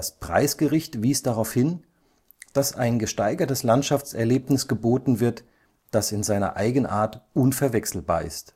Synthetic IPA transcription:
spʁ̥a̰ɪsɡ̥əʁɪçtv̥iːsd̥aʁaʊfhɪn | d̥asa̰ɪnɡəʃtaɪɡɐtəslantʃaft͡sɛɐleːpnɪsɡ̥əboːtn̩vɪɐt | d̥asɪnzaɪnɐ̰ʔa̰ɪɡənʔa̰ːɐtʔʊnfɛɐvɛksl̩ba̰ːɐɪ̰st

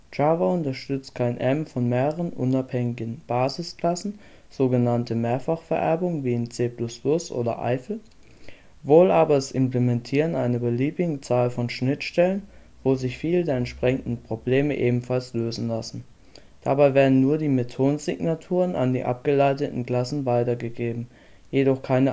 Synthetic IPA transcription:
d͡ʒavaʊntɐʃtʏt͡stkʰaɪnʔɛmfɔnmeːʁəʁənʔʊ̰naphɛŋɪɡn̩b̥aːzɪskl̥asn̩ | z̥oːɡənantəmeːɐfaχfɛɐʔɛɐbʊŋənviːɪnt͡seːplʊsplʊsʔo̰ːdɐ̰ʔa̰ɪfl̩ | voːlʔaːbɐɛsɪmplemɛntʰiːʁənʔaɪnəbəliːbɪɡət͡saːlfɔnʃnɪtʃtɛlən | voːzɪçfiːlədeːɐɛntʃpʁ̥ɛçn̩dn̩pʁ̥obleːməʔeːbm̩falsløːzn̩lasn̩ | d̥abaɪveːɐdn̩nuːɐdiːmetʰoːnzɪɡnatʰuːʁəna̰ndḭːʔa̰p̚ɡ̥əlaɪtətn̩kl̥asn̩vaɪtɐɡəɡeːbm̩ | jedɔχkʰaɪnə

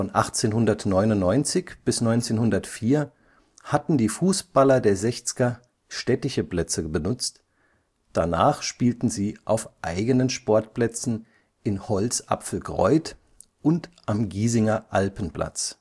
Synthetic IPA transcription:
fɔnʔaχt͡seːnhʊndɐtnɔʏnʊnnːɔʏnt͡sɪçb̥ɪsnɔʏnt͡seːnhʊndɐtfiːɐ | hatn̩diːfuːsb̥alɐdeːɐzɛçt͡sɪ̥ɡɐ | ʃtɛtɪçəpl̥ɛt͡səbənʊt͡st | d̥ana̰ːχʃpiːltn̩ziːʔaʊfʔaɪɡənənʃpɔɐtpl̥ɛt͡sn̩ | ʔɪnhɔlt͡sʔa̰pfl̩ɡʁɔ̰ʏt | ʔʊntʔamɡiːzɪŋɐʔalpn̩pl̥a̰t͡s

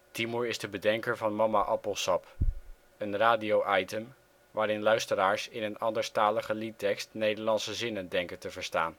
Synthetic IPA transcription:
timuɹɪzdəbədɛŋkəɹvɑnmɑmaʔɑpəlˠsɑp | ənraːdiowʔɑjtəm | ʋaːɾɪnlœɥstəɾaːɹsɪnənɑndəɹstaːləχəlitɛkstnejdəɹlɑnsəzɪnəndɛŋkəntəvəɹsta̰ːn

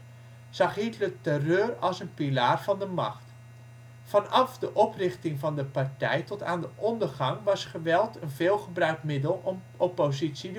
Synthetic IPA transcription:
sɑχɦitlətərøːrɑlˠsənpilaːrv̥ɑndəmɑ̰χt | fɑnɑfdəʔɔprɪχtɪŋvɑndəpartɛ̰jtɔta̰ːndəʔɔndərχɑŋʋɑsχəʋɛlˠtʰənvɪːlˠχəbrœɥkmɪdəlˠ | opozitsi

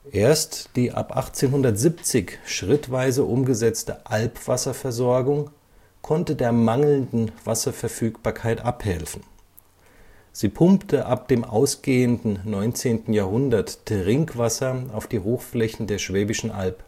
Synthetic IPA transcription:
ʔeːɐstd̥iːʔa̰pʔa̰χt͡seːnɦʊndɐtz̥ip̚t͡sɪçʃʁ̥ɪtv̥aɪzəʔʊmɡəzɛt͡stəʔalpv̥asɐfɛɐzɔɐɡʊŋ | kʰɔntədeːɐmaŋl̩ndn̩v̥asɐfɛɐfyːkb̥aːɐkʰaɪtʔaphɛlfn̩ | z̥iːpʰʊmptəʔap̚d̥eːmʔa̰ʊsɡ̥eːəndn̩nɔʏnt͡seːntn̩jaːɐhʊndɐttʁɪŋkv̥asɐaʊfd̥iːhoːxflɛçn̩deːɐʃv̥ɛːbɪʃn̩ʔa̰lp

